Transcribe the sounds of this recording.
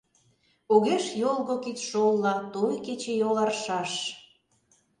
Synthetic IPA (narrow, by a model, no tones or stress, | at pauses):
oɣeʃjolˠɣokit͡sʃolˠːɑt̪ojket͡ɕejolɑrʃɑʃ